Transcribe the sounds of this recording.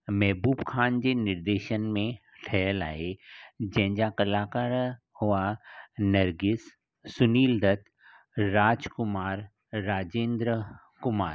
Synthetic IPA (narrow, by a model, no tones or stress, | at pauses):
mɛɦbuːbkʰaːnd͡ʒenɪɾd̪eːʃənmẽ | ʈʰɛːəla̰ːed͡ʒɛ̃ːd͡ʒakəlaːkəɾ | hʊanəɾɡɪs | sʊniːld̪ɐt̪ː | aːd͡ʒkʊmaːɾː | aːd͡ʒẽːnd̪ɾə | kʊmaːɾ